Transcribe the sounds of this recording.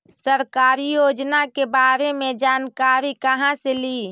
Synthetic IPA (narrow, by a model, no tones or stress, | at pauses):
səɾkaːɾijoːd͡ʒnakebaːɾemẽd͡ʒaːnkaːɾikəɦãseliː